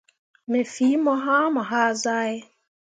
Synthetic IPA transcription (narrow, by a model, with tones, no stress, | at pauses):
me˨fi˨˦mɔ˦ɦa˦mʊ˨ɦa˦za˦ɣɪ˦